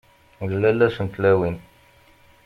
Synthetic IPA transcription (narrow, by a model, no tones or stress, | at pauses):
llælːæsənt̪læwin